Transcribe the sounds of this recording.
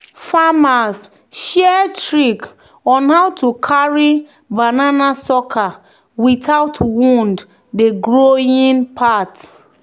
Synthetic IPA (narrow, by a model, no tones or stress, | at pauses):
famas | ʃɛtɹik | ɔ̃nhawtukʰaɹi | bananasɔkʰa | witaʊtwũnd | deɡɹoĩnpʰat